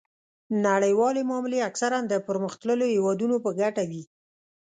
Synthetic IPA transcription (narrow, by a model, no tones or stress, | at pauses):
naɽəjwɑlemɑmɪleaksaɾand̪əpəɾməxt̪ləlohewɑd̪unopəɡaʈawi